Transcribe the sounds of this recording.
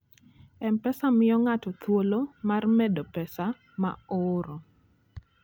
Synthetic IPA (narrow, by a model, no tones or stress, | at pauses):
ɛmpɛsamɪjɔŋatɔt̪wolomarmɛdɔpɛsa | ma̰oɾo